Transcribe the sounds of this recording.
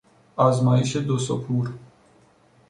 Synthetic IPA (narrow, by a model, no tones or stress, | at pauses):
azmaiʃed̪osopʰuɾ